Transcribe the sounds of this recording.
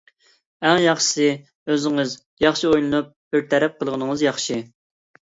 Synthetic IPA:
æŋjɑχʃsɨ | øzɪŋɨz | jɑχʃiojlˠɨnup̚b̥ɪɾt̪ʰɛɾɛp̚qʰəlˠʁənɨŋəzjɑχʃi

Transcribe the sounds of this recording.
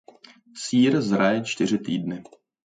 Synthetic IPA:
siːɾzɾajɛt͡ʃt̪ɪr̝ɪt̪iːdnɪ

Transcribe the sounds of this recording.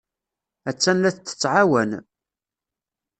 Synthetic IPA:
æt͡sːænlæθt͡s̪ːə̥t͡sːʕawæn

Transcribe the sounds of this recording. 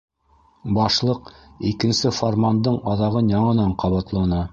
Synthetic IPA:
bɑʃlˠɤqikɘ̆nsɘformand̪ɤɴɑðɑʁɤnjɑɴɤ̆nɑɴqɑβɑt̪lˠɑnɤ

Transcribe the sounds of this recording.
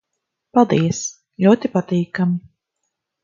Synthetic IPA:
palˠd̪iɛs | lʲuɔt̪ipat̪iːkami

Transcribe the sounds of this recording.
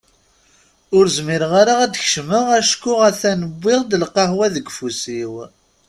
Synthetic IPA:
ʊɾzmiɾʁaɾaæd̪ç̥ʃməʁæʃkːʊʁæθænəbʷːɪʁd̪əlqɑhwæðəɡfusiw

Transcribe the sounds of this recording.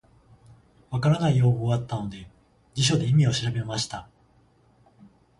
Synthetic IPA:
βakaɾanaijo̞ːoːβat̪ːano̞d̪e̞ | d͡ʑiɕo̞d̪e̞imʲio̞ɕiɾabe̞maɕi̥t̪a

